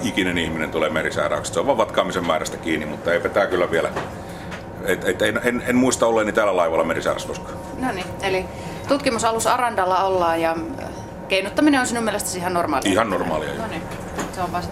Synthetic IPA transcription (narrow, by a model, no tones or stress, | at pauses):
ikinenihminent̪uleːmerisæ̰ːræ̰ˑykse̥seoʋʋɑːʋʋɑt̪kɑːmisemmæːræst̪ækiːnːimmut̪ːɑeˑipæt̪æːkylːæʋiælæ | et̪ːet̪ːenenenmuist̪ɑolːeːnit̪æːlːælɑiʋɑlːɑmerisæːræ̰skoskɑ̥ː | noni | eli | t̪ut̪kimusɑlusɑrɑnd̥ɑlːɑolːɑːjɑ | keinut̪ːɑmineonsinumielest̪æ̥sihɑnnormɑːliihɑnnormɑ̰ːliɑ̰joni | seoʋʋɑst̪